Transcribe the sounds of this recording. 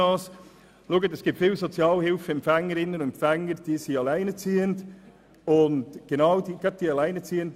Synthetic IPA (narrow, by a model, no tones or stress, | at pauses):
ɑːs | luɡətɛsɡ̥iːp̚tfɪlsot͡sjɑːlhɪlfəɛmpfɛŋːəɾɪnːənʊɛmfɛŋːəɾd̥iːsiɑlæɪnət͡siːənd | ʊndɡ̥enɑʊdiːɡ̥ɑt̚d̥iːɑlæɪnət͡siːənt